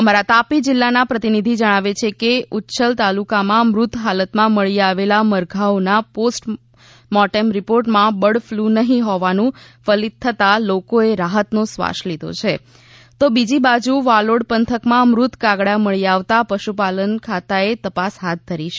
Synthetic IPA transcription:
əmaɾat̪apid͡ʒɪlːanapɾət̪inid̪ʱid͡ʒəɽ̃aʋet͡ʃʰekeutːʃəlt̪alukamãmɾʊt̪ʰɦalət̪mãməɭiaʋelaməɾɡʱaʋnaposʈ | mɔʈemɾipoɾʈmãbəɽflunəɦĩɦɔʋanũfəlid̪̚t̪ʰːət̪alokoeɾaɦət̪nosʋa̰ʃlid̪ʱo̰t͡ʃʰe | t̪obid͡ʒibad͡ʒuʋaloɽpənt̪ʰəkmãmɾut̪ʰkaɡɽaməɭiaʋt̪apəʃupalənkʰat̪aet̪əpasɦat̪̚d̪ʱəɾiʃ

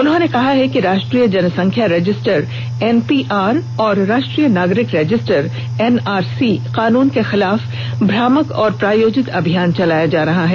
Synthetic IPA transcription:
ʊnɦõnekɐɦaɦɛkiɾaːʃʈɾijəd͡ʒɐnəsɐ̃ŋkʰjaɾɛd͡ʒɪsʈəɾ | ɛnpiːʔaːɾɔːɾːaːʃʈɾijənaːɡɾɪkɾɛːd͡ʒɪsʈəɾ | ɛnaːɾsiqaːnuːnkexɪlaːf | bʱɾaːməkɔːɾpɾaːjoːd͡ʒɪt̪ɐbʱijaːnt͡ʃɐlaːjad͡ʒaːɾɐɦaɦɛː

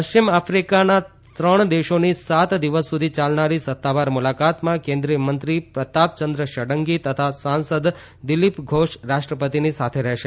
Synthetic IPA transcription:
pəʃt͡ʃimafɾikana | t̪ɾəɳ̃d̪eʃonisat̪d̪iʋəsːud̪ʱit͡ʃalnaɾisət̪ːaʋaɾmulakat̪mãkẽnd̪ɾijəmənt̪ɾipɾət̪ap̪̚t͡ʃənd̪ɾəʃəɽəŋɡit̪ət̪ʰasansəd̪ | d̪ilipɡʱoʃɾaʃʈɾəpət̪inisat̪ʰeɾɛɦʃe

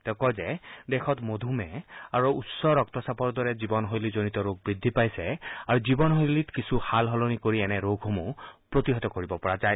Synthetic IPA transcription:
tɛʊkɔzɛdɛxʰɔtmod̪ʱumɛaɹuːsɔɹɔk̚tɔsapɔɹdɔɹɛzibɔnɦojlizonitɔɹoɡ̚bɹid̪ʱːipajsɛaɹuzibɔnɦojlitkisuxalɦɔlonikoɹiɛnɛɹoɡʱomupɹotiɦɔtɔkoɹibɔpɔɹazaj

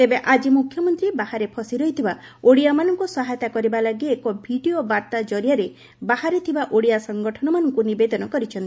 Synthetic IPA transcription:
t̪ebeʔad͡ʒimukʰjɔmɔnt̪ɾibahaɾepʰɔsiɾɔɦit̪ʰibaoɽijamanɔŋkusɔɦajt̪akɔɾibalaɡeːkɔbʱiɖiobaɾt̪ad͡ʒɔɾijaɾe | baɦaɾet̪ʰibaʔoɽijasɔŋɡɔʈʰɔnɔmanɔŋkunibed̪ɔnɔkɔɾit͡ʃʰɔni

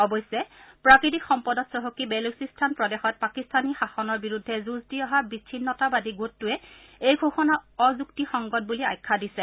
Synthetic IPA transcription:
ɔbɔjsɛpɹakɹit̬ikxɔmpɔdɔtsɹɔɦokibɛlusistʰanpɹɔdexɔt̚pakistʰanixaxɔnɔɹbiɹudʱːɛzuzdiɔɦabit͡ʃʰinːɔtabadiɡutːuɛejɡʱoxɔnaɔzuktixɔŋɡɔt̚bulia̰jkʰːadisɛ

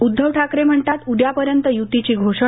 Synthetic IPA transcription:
ud̪ʱːəʋʈʰakɾem̤əɳt̪at̪uɖjapəɾjənt̪əjut̪it͡ɕiːɡʱoʂ

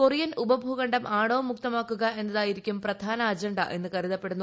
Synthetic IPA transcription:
korijɐnubɐbʱuːɣɐɳɖɐmʔaːɽoːmːuk̚t̪ɐmaːkːuɣɐʔe̞nːɐðaːjiɾikʲːumprɐd̪ʱaːnɐːd͡ʑɐɳɖɐʔe̞nːɨkɐriðɐpːe̞ɽunːu

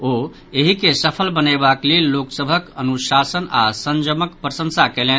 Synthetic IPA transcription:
o | eɦikesəpʰəlbənebaklelːoksəbʱəkənusasəna̰sənd͡ʒəməkpɾəsə̃nsakelen

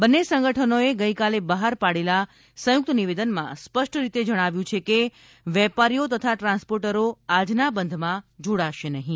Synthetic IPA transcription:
bənːesə̃ŋɡəʈʰənoeɡəijkalebəɦaɾpaɽela | sə̃jʊk̚t̪əniʋed̪ənmã̰spəʃʈʰɾit̪ed͡ʒəɽ̃aʋjũt͡ʃʰeke | ʋɛpaɾijot̪ət̪ʰaʈɾãnspoɾʈəɾoad͡ʒnabənd̪ʱmãd͡ʒoɽaʃenəɦĩ

